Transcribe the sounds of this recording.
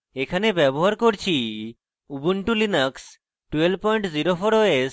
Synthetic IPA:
ekʰanebɛbɔɦaɾkoɾt͡ɕʰi | ubuɳʈulinəks | ʈuwelpɔjɳʈziɾofʰoɾoes

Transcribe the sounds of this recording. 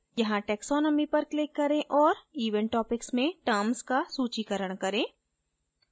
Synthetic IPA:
jɐɦãʈɛːksɔːnəmipɐɾklɪkːɐɾẽʔɔːɾiːʋə̃ɳʈʈɔːpɪksmẽʈəɾmskasuːt͡ʃikəɾəɽ̃kɐɾẽː

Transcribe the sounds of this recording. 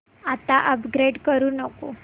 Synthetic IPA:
at̪aʔəpɡɾeɖkəɾunəko

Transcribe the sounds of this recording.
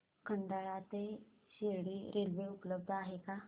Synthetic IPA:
kʰənd̪aɭat̪e | ɕeɾɽiɾʔelʋeʊpləb̚d̪aːɦeka

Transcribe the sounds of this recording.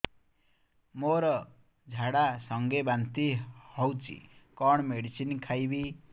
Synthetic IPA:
moɾʌ | d͡zʱaɽasʌŋɡebant̪ihʌwt͡sḭkʌɽ̃meɽisinkʰajbi

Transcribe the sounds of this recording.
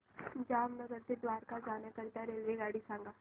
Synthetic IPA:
d͡ʒaːmnɐɡəɾt̪ed̪ʋaːɾkad͡ʒaːnakəɾt̪aɾeːlʋeɡaːɽisãːŋɡaː

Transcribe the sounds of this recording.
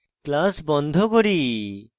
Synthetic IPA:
klasbɔnd̪ʱokoɾi

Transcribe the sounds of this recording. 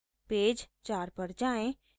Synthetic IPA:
peːd͡ʒt͡ʃaːɾpəɾd͡ʒaːẽ

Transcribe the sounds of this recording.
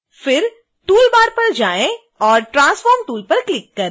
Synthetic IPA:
fɪɾ | ʈuːlbaːɾpɐɾd͡ʒaːẽ | ɔːɾʈɾãːsfɔːɾmʈuːlpɐɾklɪkːɐɾ

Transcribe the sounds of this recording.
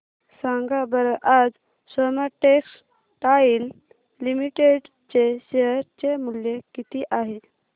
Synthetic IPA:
saŋɡabəɾəʔad͡z | səmaʈeks | ʈail | limiʈeɖ | t͡ɕeɕeɦəɾt͡ɕemuljekit̪iʔaɦe

